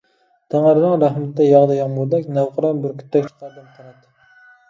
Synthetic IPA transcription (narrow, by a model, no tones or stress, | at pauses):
t̪ʰæŋəɾɨnɨŋɾæhmɪt̪ːɛjɑʁd̪ɑjɑŋmold̪ɛkʲnæwqəɾɑnbɪɾkʲʰy̥t̪ʰːɛk̚ʲt͡ʃʰqɑɾbɨl̚qʰɑɾɑt̪ːɨ